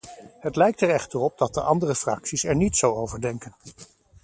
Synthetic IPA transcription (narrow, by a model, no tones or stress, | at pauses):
ɦətlɛjk̚tɛɹɛχtərɔp̚dɑt̚dəʔɑndərəfrɑ̰ksisɛɹnitsowowvəɹdɛŋkən